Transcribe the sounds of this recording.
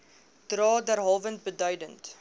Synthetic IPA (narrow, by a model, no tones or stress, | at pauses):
d̥rɑːdærɦɑlvənt̚bədœɥdənt